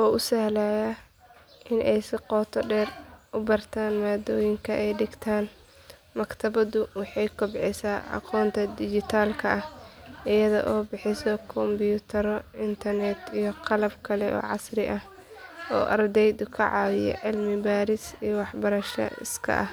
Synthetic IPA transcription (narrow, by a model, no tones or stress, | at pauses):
ʔɔːʊsɐhlaːjɐ | ʔɪnʔɛjsɪqɔːt̪ʰɔɖɛːrʔʊbɐrt̪ʰaːnmaːd̪ɔːjɪŋkʰɐʔɛjɖɪɡt̪ʰaːn | mɐkt̪ʰɐβɐðʊwɑħɑjkʰɔbʕɛsaːʔɑ̰qʰɔːnt̪ʰɐd̪ɪd͡ʒɪt̪ʰaːlkʰɐʔɐhʔɪjɐðɔ̰ʔɔːbɪħɪsɔkʰɔmbjut̪ʰɐɾɔɪnt̪ʰɐrnɛt̪ijɔqɑlɐbkʰɐlɛʔɔ̰ːʕɑsrɪʔɐh | ɔ̰ːʔɐrd̪ɛjd̪ʊkʰɐʕɑːwɪjɔ̰ʕɪlmɪbaːɾɪsijɔwɑħbɐɾɐʃɐ̰ɪ̰skʰɐ̰ʔɐ̰h